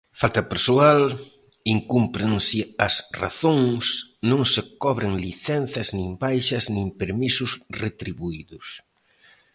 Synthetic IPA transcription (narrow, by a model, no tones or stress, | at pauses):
falt̪ɐpeɾsual | iŋkumpɾeŋsɪɐsra̰θoŋsnõŋsɪkɔβɾɪŋliθɛnθɐznĩmbajʃɐznĩmpeɾmisʊsret̪ɾiβuiðʊs